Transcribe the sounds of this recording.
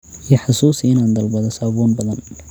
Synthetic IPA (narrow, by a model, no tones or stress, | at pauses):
ijɐħɑsuːsiɪnaːnd̪ɐlbɐðɐsaːβuːnbɐðɐn